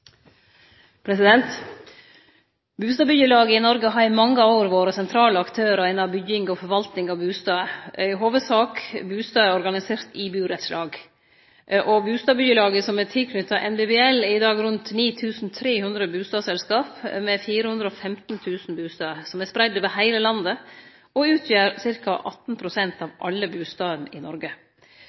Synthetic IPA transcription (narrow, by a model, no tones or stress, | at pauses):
pʰɾɛsɪd̪ɛnt̪ | bʉːst̪ɑːbʏjəlɑːɡəɪnɔɾɡəɦɑɾɪmɑŋːəoːɾʋoːɾəsɛnt̪ʰɾɑːləɑkt̪ʰøːɾəæɪnɑbʏɡɪŋɡɔfɔɾʋɑlt̪nɪŋɑʋbʉːst̪ɑːəʔɪɦoːʋəsɑːkbʉːst̪ɑːæɾɔɾɡɑnɪseːɾt̪ɪbʉːɾɛt̪slʔɑːɡ | ʔɔbʉːst̪ɑːbʏjəlɑːɡəsɔmɛt̪ʰɪlkʰnʏt̪ːɑʔɛnbebeɛlɪd̪ɑːɡɾʉnt̪niːt̪ʰʉːsn̩t̪ʰɾeːhʉnd̪ɾəbʉːst̪ɑːsɛlskɑːpmɛfiːɾəhʉnd̪ɾəɔfɛmt̪n̩t̪ʰʉːsn̩bʉːst̪ɑːəsɔmæspɾæɪd̪ʋɛːɦæɪləlɑnd̪ə | ɔʉːt̪ʰjæːɾsɪɾkɑʔɑt̪n̩pʰɾʊsɛnt̪ɑʋʔɑ̰lːəbʉːst̪ɑːʋənɪnɔɾɡə